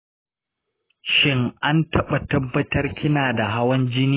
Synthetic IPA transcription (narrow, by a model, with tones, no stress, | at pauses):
ʃɪ˦ŋʔa˦ntɐ˦ɓɐ˨tɐ˦bːɐ˦tɐ˦rkʲɪ˦naː˨da˨ɦa˦wɐ˦nd͡ʒɪ˦niː˦